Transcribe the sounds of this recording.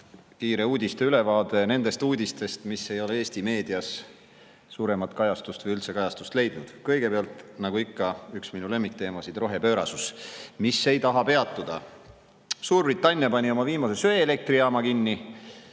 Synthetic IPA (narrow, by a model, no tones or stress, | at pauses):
kiːɾe̞uːd̪ʲist̪eyle̞vɑːd̪e̞ne̞nd̪̥e̞st̪uːd̪ʲist̪e̞st̪misːe̞jo̞lee̞ːsʲt̪ime̞ːd̪̥iɑsː | uːɾe̞mɑt̪ˑkɑjɑst̪ust̪vəjylt̪se̞kɑjɑst̪u̥st̪le̞jd̪̥nud̪̥kɤjɡ̥e̞peɑlt̪ˑnɑɡ̥uikːɑyksminule̞mːikt̪ːe̞ːmɑsid̪̥ro̞ɦe̞pø̞ːɾɑ̰susmisːe̞jt̪ɑɦɑpe̞ɑt̪ːˑud̪̥ɑ | suːrbrit̪ːˑɑnʲːjɑpɑnʲio̞mɑviːmɑse̞søeːle̞k̚t̪riɑːmɑkinːi